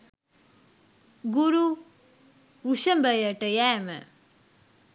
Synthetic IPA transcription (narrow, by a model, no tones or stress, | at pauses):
ɡuɾu | uɕəmbəjəʈəjɛmə̰